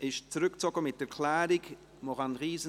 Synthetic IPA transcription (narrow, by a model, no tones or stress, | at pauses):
ɪʃt͡sɾʏkt͡sɔɡəmɪt̚ːɛkʰlæːɾɪk | mɔχanʁiːzə